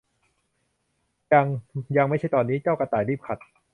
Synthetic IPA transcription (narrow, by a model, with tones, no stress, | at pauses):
ja˧ŋja˧ŋma˥˩t͡ɕʰa˥˩jt̪ɔː˧nːiː˦˥t͡ɕaː˥˩wka˧t̪aː˨˩ɾiː˥˩p̚kʰa˨˩t̪̚